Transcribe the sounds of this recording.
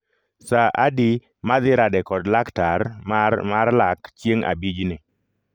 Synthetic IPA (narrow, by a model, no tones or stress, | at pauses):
saʔadi | mad̪ɪɾadɛkɔdlaktaɾmamaɾlakt͡ʃjeŋa̰bid͡ʒnɪ